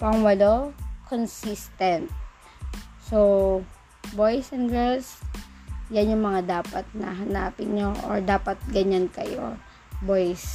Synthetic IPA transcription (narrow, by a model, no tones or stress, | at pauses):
pɐŋwɐlokʰonsist̪ɛnt̪̚ | sow | bojsɛnɡɛs | janjʊŋmɐŋad̪aːpɐt̪̚nɐ̰ɦɐnaːpɪnɲoʔo̰ɹd̪aːpɐt̪̚ɡɐɲankɐ̰jo̰ | bojs